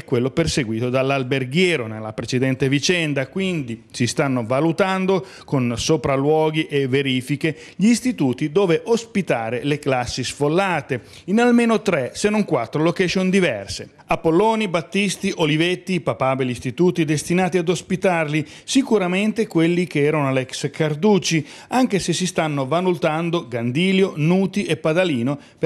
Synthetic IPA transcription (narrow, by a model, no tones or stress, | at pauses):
ɛkːwelːoperseɡwiːt̪od̪alːalberɡjɛːɾonelːapɾet͡ʃed̪ɛnt̪evit͡ʃɛnd̪akwind̪isist̪anːovalut̪and̪o | konsopɾalwɔːɡiʔeveɾiːfike | ʎːst̪it̪uːt̪id̪ɔːveʔospit̪aːɾeleklasːisfolːaːt̪e | inalmeːnot̪ɾɛsenːoŋkwat̪ːɾolokɛt͡ʃond̪ivɛ̰rsḛ | apːolɔːnibat̪ːist̪iʔolivet̪ːipapabelist̪it̪uːt̪id̪est̪inaːt̪iad̪ospit̪arli | sikuɾament̪ekwelːikeɛːɾanoalɛkskard̪uːt͡ʃi | aŋk̟esesist̪anːovanult̪and̪oɡand̪iːljonuːt̪iʔepːad̪aliːno | p